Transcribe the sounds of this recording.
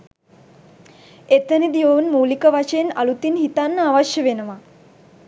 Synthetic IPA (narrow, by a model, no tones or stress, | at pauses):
et̪ənid̪iʋounmuːlikəʋaʂejena̰lut̪inhit̪anːaʋaʃjəʋenəʋa